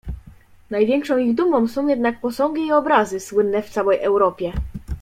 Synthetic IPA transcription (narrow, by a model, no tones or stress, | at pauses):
najvʲjɛŋkʂɔ̃w̃iɣd̪umɔ̃w̃sɔ̃w̃jɛd̪nak̚pɔsɔ̃ŋɡʲiːɔbɾazɘswɘnːɛft̪sawɛjʔɛwɾɔpʲjɛ